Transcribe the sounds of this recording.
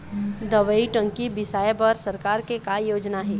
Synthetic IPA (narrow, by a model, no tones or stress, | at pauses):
d̪ɐʋəiʈə̃ŋkibɪsaːjebəɾsɐɾkaːɾkekajoːd͡ʒnaɦɛː